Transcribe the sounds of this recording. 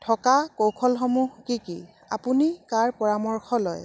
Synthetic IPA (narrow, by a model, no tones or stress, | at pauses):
tʰɔkakowkʰɔlxɔmuɦkikḭ | a̰punikaɹpɔɹamɔɹxɔlɔj